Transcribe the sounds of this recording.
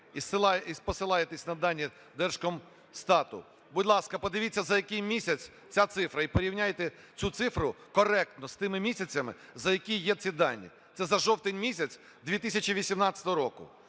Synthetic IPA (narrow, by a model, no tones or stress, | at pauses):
isˠispɔsɪlˠɑjet̪esʲnɐd̪ɑnʲːi | d̪ɛrʃkɔm | st̪ɑt̪ʊ̰ | budʲlˠɑskɐpɔd̪ɪʋʲit͡sʲːɐzɐjɐkɪjmʲisʲɐt͡sʲ | t͡sʲat̪sɪfɾɐipɔɾʲiwnʲajt̪ɛ | t͡sʲut̪sɪfɾʊkɔɾɛk̚t̪nɔst̪ɪmɪmʲisʲɐt͡sʲɐmɪzɐjɐkʲijjɛsʲid̪ɑnʲːḭ | t̪sɛzɐʒɔwt̪ɪnʲmʲisʲɐt͡sʲ | d̪ʲʋʲit̪ɪsʲɐt͡ʃiʋʲisʲimnɑt̪ʲt͡sʲɐt̪ɔɦɔɾɔkʊ